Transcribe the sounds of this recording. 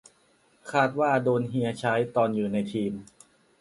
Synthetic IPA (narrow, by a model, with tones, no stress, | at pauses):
kʰaː˥˩t̪̚waː˥˩doː˧nɦi˧ɐt͡ɕʰa˦˥jt̪ɔː˧njuː˨˩na˧jt̪ʰiː˧m